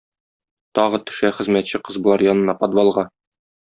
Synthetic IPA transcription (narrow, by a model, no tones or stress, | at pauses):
t̪ɒʁɤt̪ɵ̥̆ʃæχɘ̆zmæt̪ɕɘqɤzbŏlˠɑɾjɒnɤ̆nɑpɒd̪vɑlˠʁɑ